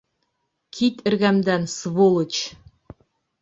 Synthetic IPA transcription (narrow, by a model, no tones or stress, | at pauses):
kʰit̪ɘ̆ɾɡæmd̪ænsvolˠɤ̆t͡ɕ